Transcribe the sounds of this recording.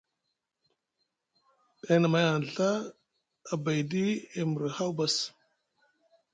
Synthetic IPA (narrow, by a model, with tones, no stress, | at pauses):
e˦na˨ma˦ja˨n˨ɬaː˦˨ | ba˨jdi˦e˨mu˨ɾi˨ha˦wba˦s